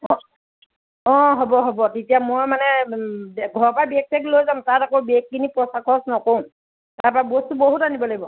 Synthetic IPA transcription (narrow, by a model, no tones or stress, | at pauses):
ɔ̃ | ɔ̃ɦɔbɔɦɔbɔtetijamojmanɛ | ɡʱɔɹpabiɛk̚sʰɛklojzamtatakobɛk̚ːinipɹɔsakʰɔsnɔkom | taɹpabostuboɦutanibɔlaɡibɔ